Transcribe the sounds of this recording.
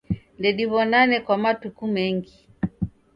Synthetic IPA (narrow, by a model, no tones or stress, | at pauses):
ndɛɗiβɔnanɛkwamatukumɛŋɡi